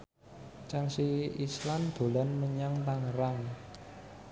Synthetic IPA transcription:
t͡ʃaŋsiislamd̪̥o̤lanməɲaŋt̪aŋəɾaŋ

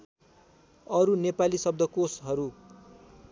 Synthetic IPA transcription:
ʌɾunepalisʌb̚d̪ʱʌkosɦʌɾu

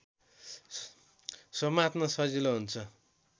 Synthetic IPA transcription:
sʌmat̪nʌsʌd͡ziloɦunt͡sʰʌ

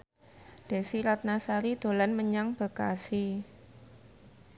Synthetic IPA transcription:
ɖ̥a̤siɾat̪̚nasaɾid̪̥o̤lanməɲaŋb̥ə̤kasi

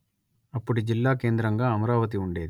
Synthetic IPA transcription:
ɐpːuɽud͡ʒilːaːke̞ːnd̪ɾɐŋɡaːɐmɐɾaːʋɐt̪̬iuɳɖe̞ːd̪i

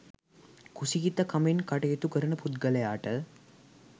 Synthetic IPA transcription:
kusikit̪ɐkɐmenkaʈɐjet̪ukəɾənəput̪ɡɐlɐjaːʈə

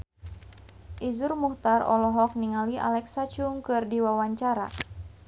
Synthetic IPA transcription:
ʔizurmuht̪arɔ̰lɔɦɔk̚niŋaliʔa̰lɛksat͡ʃuŋkɨrdiwawaɲt͡ʃaɾa̰

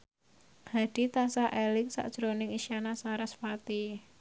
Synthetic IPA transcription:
had̥it̪asaʔɛlɪŋsa̰ʔd̥ʒ̥ɾonɪŋiʃianasaɾasfat̪i

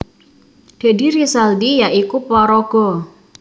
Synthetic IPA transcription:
ɖ̪̥e̤diɾisald̪ijaʔikupɔɾɔɡ̥ɔ

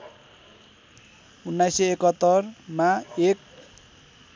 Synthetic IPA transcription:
unːajsʌekʌt̪ːʌrmaek̚

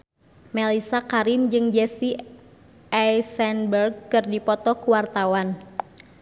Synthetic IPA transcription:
mɛlisakaɾɪmd͡ʒɨŋd͡ʒɛsi | ʔɛjsɛnbərɡ̚kɨrdipɔt̪ɔkuwart̪awan

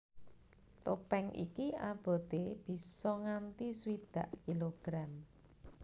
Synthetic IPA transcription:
t̪opɛŋʔḭkiʔab̥ɔ̤t̪eb̥i̤sɔŋant̪iswid̪̥a̤ʔkiloɡ̥ɾam

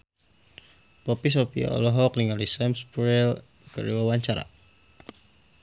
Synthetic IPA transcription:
pɔpis̬opia̰ɔ̰lɔɦɔkliŋalisɛmspɾɛl | kə̰ɾiwawaɲt͡ʃaɾa̰

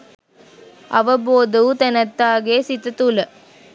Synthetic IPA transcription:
ʔɐʋɐboːd̪ɐʋt̪ɐnɐt̪ːaːɣeːsɪt̪ːɐt̪ulɐ

